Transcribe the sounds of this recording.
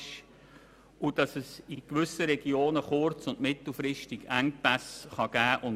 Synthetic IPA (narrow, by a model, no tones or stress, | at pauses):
ʃ | ud̥ɑsɛsikʋʏsəɾɛɡioːnəχʊɾt͡sʊndmɪtl̩ˠfɾɪʃtɪɡæŋpæsχɑɡ̥æːʔʊn